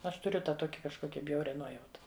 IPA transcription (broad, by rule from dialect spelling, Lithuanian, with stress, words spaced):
ˈɐʃ tʊˈrʲʊ ˈtɑː ˈtoːkʲɪ kɐʃˈkoːkʲɛ ˈbʲjɛʊrʲɛ ˈnuɔjɛʊtɐ